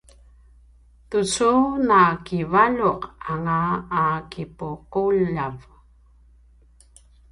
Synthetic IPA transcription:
tut͡sunakivaʎuqaŋaːkipuquʎav

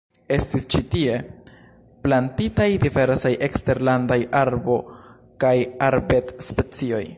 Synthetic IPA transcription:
e̞stist͡ʃitie̞ | plantitajdive̞ɾsajʔe̞kste̞ɾlandajaɾbo̞ | kajaɾbe̞tspe̞t͡sio̞j

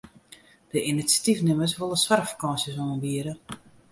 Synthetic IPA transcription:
d̥əʔinisjḁtifnɪməsʋolˠəsʋarfḁkɑnsjəsonənbiəɾə

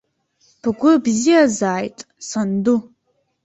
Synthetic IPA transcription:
pʰɨɡʷʊbzijazaːjtʼ | sandu

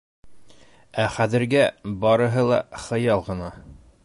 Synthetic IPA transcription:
æχæðɘ̆ɾɡæbɑɾɤ̆ɦɤlˠɑ̰χɤ̆jɑlˠʁɤ̆nɑ

